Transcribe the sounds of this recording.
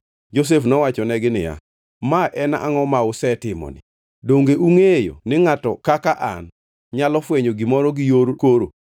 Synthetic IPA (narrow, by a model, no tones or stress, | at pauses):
d͡ʒos̬efnɔwat͡ʃɔnɛɡɪnɪ̰ja̰ | maʔɛnaŋɔmaʊsɛtɪmɔ̰nɪ̰ | doŋɡeʔuŋejo̰nɪŋatɔkakaʔa̰n | ɲalɔfweɲoɡimɔɾɔɡɪjoɾokoɾo